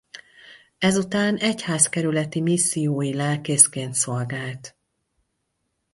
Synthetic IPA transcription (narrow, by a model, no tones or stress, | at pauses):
ɛzut̪aːnɛchaːskɛɾylɛt̪imisːijoːjilɛlkeːskeːnt̪so̞lɡaːlt̪